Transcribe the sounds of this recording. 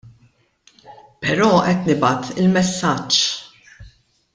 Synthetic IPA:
pɛɾɔːʔɛt̪nɪbɐt̪ʰɪlmɛsːɐt͡ʃː

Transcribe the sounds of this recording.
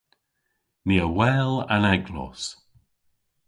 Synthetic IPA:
miːəwɛːla̰nɛɡlɔ̰s

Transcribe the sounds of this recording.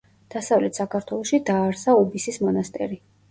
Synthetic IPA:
d̪̥asavlɛt̪ʰsakʰaɾt̪ʰwɛlˠɔʃid̪aːɾsaɔbisismɔnast̪ʼɛ̰ɾi

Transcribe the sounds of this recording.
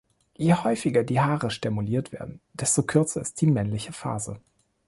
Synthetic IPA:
jeːhɔʏfɪɡɐdiːhaːʁəʃtɛmuliːɐtv̥ḛːɐdn̩d̥ɛstokʰʏɐt͡sɐɪst̚d̥iːmɛnlɪçəfa̰ːzə̰

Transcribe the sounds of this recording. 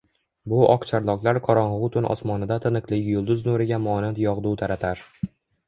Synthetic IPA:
bʊʔɒqt͡ʃʰaɾlˠɒklˠaɾqʰɒɾɒnʁʊt̪ʰʊnʔɒ̰smɒnɪd̪at̪ʰɪnɨqlˠɪɡʲɪjʊlˠd̪ʊznʊɾɪɡʲamɒnat̪jɒʁd̪ut̪ʰaɾat̪ʰaɾ

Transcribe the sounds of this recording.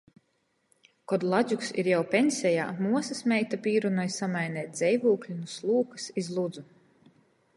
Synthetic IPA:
kɔd̪lˠazʲuksḭɾjawpʲɛnsʲɛja̰ːmuɔsɐsmʲɛjt̪apʲiːɾunɔjsamajnɛːt̪̚ʲd̪zɛjvuːklʲinuslˠuːkɨsizlˠud̪zu

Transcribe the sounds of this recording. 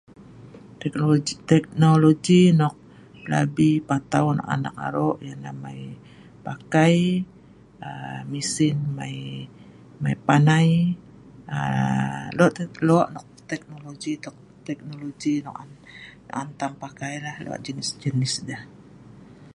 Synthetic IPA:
ɛkt̪ɛk̚noloɡinɔk̚ | la̰bipat̪aunɔ̰ʔa̰na̰ka̰ɾɔʔjaŋnamaj | pakaj | əmisɪnma̰j | majpanaj | ə̰ | lɔʔt̪lɔʔnɔk̚t̪ɛk̚noloɡit̪ɔk̚ | t̪ɛk̚noloɡinɔkanɔ̰ʔant̪ampakajlahlo̰a̰ʔd͡ʒənɪsd͡ʒənɪsdəh

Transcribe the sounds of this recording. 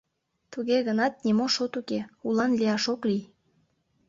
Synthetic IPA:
t̪uɣeɣənɑt̪̚nimoʃot̪ukeulɑnliɑʃoklij

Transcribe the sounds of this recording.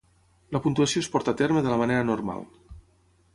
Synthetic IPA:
ləpunt̪uɐsijoespɔɾt̪at̪eɾməðələmaneɾənurma̰lˠ

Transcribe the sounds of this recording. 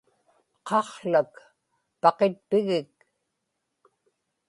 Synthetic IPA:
qʰɑχɬak | pɑqet̪̚pɪɣɪk

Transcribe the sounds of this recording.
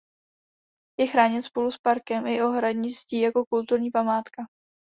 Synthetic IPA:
jɛxɾaːɲɛt̪spoluspaɾkɛmʔɪʔo̞ɦɾadɲɪsciːjako̞kult̪uɾɲiːpamaːt̪ka

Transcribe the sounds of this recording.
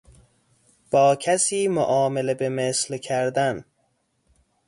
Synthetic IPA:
b̥ɒːcʰæsiːmoʔɒːmelebe̞meslcʰæɾd̪æn

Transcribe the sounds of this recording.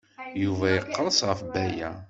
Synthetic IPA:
juvæjəqːəɾˤəsʁəfbæjæ

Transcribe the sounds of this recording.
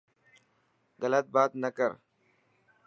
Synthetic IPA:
ɣələt̪̚baːt̪nəkəɾ

